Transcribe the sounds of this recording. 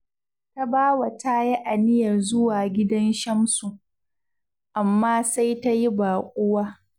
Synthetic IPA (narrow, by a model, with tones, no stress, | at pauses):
ta˦baː˦wa˨taː˦ji˦ʔa˨nɪ˦jɐ˨rzʊ˦waː˨ɡʲɪ˦dɐ˦nʃɐ˦msu˨ | ʔa˨mːaː˦sa˦jta˦ji˦baː˨kʷʼʊ˦waː˦